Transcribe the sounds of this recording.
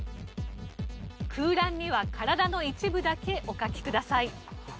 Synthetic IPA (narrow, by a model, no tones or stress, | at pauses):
kʰɯ̟ːɾãɲ̟ːiβakʰaɾad̪ano̞it͡ɕibɯ̟d̪ake̞ʔo̞kakʲi̥kɯ̟d̪asai